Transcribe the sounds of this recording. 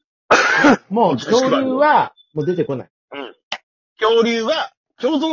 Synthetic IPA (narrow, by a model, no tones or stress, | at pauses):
moːkʲo̞ːɾʲɯːβa | moːd̪e̞t̪e̞ko̞na̰i | ɯ̟̃ | kʲoːɾʲɨːβa | kʲoːt̪o